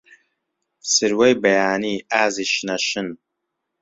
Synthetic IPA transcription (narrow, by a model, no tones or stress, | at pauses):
sɨɾwɐjbɐjaːniːaːziʃnɐʃɪn